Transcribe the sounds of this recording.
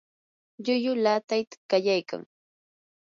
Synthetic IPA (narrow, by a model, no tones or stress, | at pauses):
ʎʊjʊlaːt̪ajt̪ḁkajajka̰ŋ